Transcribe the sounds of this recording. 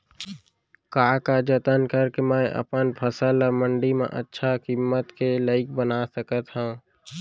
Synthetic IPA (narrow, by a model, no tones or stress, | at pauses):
kaːkad͡ʒət̪ənkəɾkemɛ̃ʔə̰pənpʰəsələmə̃ɳɖimḛ̃ʔə̰tːʃʰakimːət̪keləɪk̚bənasəkət̪ɦɛ̃